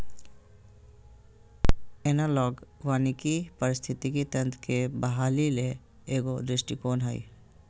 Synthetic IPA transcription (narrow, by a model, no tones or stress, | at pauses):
ɛnaːlɔːɡʋaːnikipəɾɪst̪ʰɪt̪ikit̪ə̃nt̪ʰkebəɦaːlile | eːɡodɪsʈikoːnɦaːḭː